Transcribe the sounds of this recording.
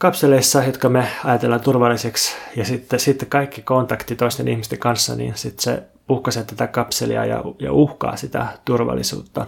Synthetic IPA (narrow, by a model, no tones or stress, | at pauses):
kɑpseleisːɑjot̪kɑmeɑjɑt̪elːɑnt̪urʋɑlːiseksjɑsit̪ːesit̪ːkɑikːikont̪ɑkt̪it̪oist̪enihmist̪eŋkɑnsːɑ̰nḭːnsit̪sḛ | puhkɑset̪æt̪ækɑpselḭɑ̰jɑ̰jɑ̰uhkɑ̰ːsit̪æ̰t̪urʋɑ̰lːisṵːt̪ːɑ